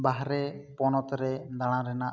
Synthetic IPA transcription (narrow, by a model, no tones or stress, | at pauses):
baɦɾɛpɔnɔt̪ɾɛd̪aɽ̃ãɾɛnaʔ